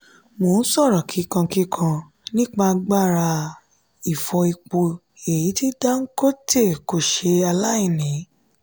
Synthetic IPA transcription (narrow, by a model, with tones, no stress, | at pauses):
mo˨n̩˦sɔ˦˨ɾɔ˨kʰi˨˦kã˧ki˦kʰã˧ | nĩ˦k͡pa˧ɡ͡ba˦˨ɾa˧ | i˨fɔ˧i˧k͡po˧ | e˨ji˨˦ti˦da˦ŋ̩˦ko˦te˦˨ko˨ʃe˧a˧la˦i˦˨nĩ˨˦